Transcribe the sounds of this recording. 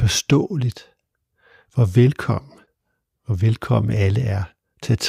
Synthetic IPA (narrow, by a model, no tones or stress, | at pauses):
fɒsd̥ɔ̰ːlid̥ | ʋɒʋelkʰɒ̽m̰n | ʋɒʋelkʰɒ̽m̰n̩æləæɐ | t͡sʰeæt͡sʰ